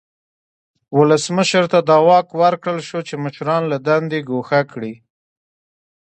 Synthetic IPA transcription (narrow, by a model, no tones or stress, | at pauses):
wʊləsməʃəɾt̪ad̪ɑwɑkwaɾkɽəlʃot͡ʃeməʃɾɑnlad̪and̪eɡoxakɽi